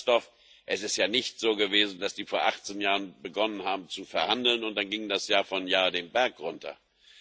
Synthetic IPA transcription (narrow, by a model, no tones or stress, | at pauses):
tɔf | ʔɛsɪstjaːnɪçtz̥oːɡəveːzn̩d̥asd̥iːfoːɐʔaχt͡senjaːʁənbəɡɔnənhaːbm̩t͡sufɛɐhandl̩nʊnt̚d̥anɡɪŋdasjaːfɔnjaːdeːmbɛɐkʁʊntʰɐ̰